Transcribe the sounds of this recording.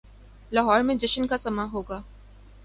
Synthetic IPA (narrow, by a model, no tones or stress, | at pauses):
lɐɦɔːɾmẽd͡ʒɪʃənkasɐmaɦoːɡaː